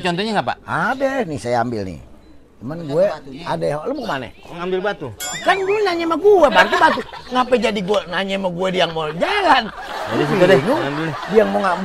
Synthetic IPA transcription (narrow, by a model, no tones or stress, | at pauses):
t͡ʃɔnt̪ɔɲaŋapa̰abɛhnisajaambɪ̰lnḭ | manɡuɛadaɦoləmkmanɛ̰ŋambilbat̪ukanɡuɛnaɲɛmaɡuɛbaɾt̪̬ubat̪uŋapɛd͡ʒadiɡuɛnaɲɛmaɡuɛdijaŋmod͡ʒalan | asinudijaŋmoŋa